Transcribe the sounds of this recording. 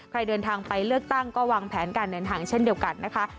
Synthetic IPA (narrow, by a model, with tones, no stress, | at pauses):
kʰɾa˧jdɤː˧nt̪ʰaː˧ŋpa˧jlɯ˥˩ək̚t̪a˥˩ŋkɔː˥˩waː˧ŋpʰɛː˩˦nkaː˧ndɤː˧nt̪ʰaː˧ŋt͡ɕʰe˥˩ndi˧əwka˧nːa˦˥kʰa˦˥